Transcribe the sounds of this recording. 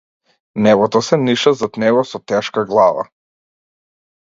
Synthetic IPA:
nɛvɔt̪ɔsɛniʃazat̪nɛɡɔsɔt̪ɛʃkaɡlˠava̰

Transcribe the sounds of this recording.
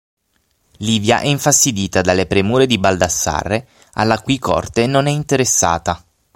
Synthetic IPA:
liːvja̰ʔɛiɱfast̪id̪iːt̪ad̪alːepɾemuːɾed̪ibald̪asːa̰rːe | a̰lːakwikʰɔ̰rt̪enonɛint̪eɾesːa̰ːt̪a

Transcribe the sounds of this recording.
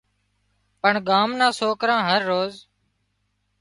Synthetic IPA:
pəɳɡaːmnãːsoːkɾãːɦəɾːoːz

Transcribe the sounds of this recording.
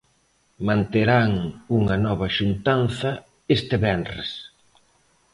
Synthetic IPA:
mãnt̪eɾaŋuŋɐnɔβɐʃunt̪anθɐ | est̪ɪβɛnrḛs

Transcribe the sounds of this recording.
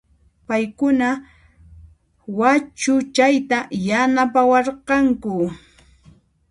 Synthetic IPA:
pajkʊna | wat͡ʃʊt͡ʃajt̪ajanapawɑɾqɑŋkʊ

